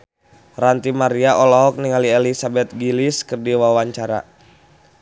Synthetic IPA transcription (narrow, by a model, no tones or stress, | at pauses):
rant̪imaɾiaʔɔlɔɦɔk̚niŋaliɛlisabɛt̪̚ɡiliskɨrdiwawaɲt͡ʃaɾa̰